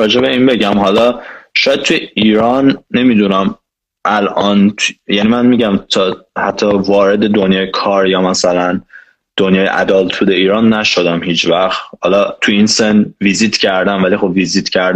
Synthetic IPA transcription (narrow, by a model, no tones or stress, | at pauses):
ɒːd͡ʒe̞be̞iːnbe̞ɟæmɦɒlɒʃɒːjæd̪̚t̪ʰujeʔiːɾɒnːe̞mid̪unæm | ʔælʔɒːnt̪ʰjæniːmænmiːɟæmt̪ʰɒhæt̪ʰːɒvɒːɾed̪e̞d̪onjɒːjekʰɒːɾjɒːmæsælæn | d̪̥onjɒːjeʔæ̰d̪ɒːlt̪ʰuːd̪eiːɾɒːnːæʃod̪æmhiːt͡ʃʰvæxt̪hɒlɒt̪ʰujiːnsenvizit̪cʰæɾd̪æmvælixo̞bviziːt̪cʰæɾd̪